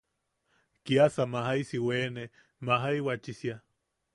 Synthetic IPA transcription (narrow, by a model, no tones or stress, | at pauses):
kiasamaɦajsiweːne | maɦajwat͡ʃisja